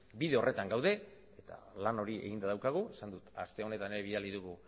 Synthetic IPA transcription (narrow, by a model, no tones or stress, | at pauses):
biðe̞o̞rʔe̞t̪aŋɡawðe̞ | et̪a̰lano̞ɾiʔe̞̰ɣind̪aðawkaɣ̞ue̞sand̪ut̪a̰st̪e̞o̞ne̞t̪ane̞ɾe̞βiðaliðuɣu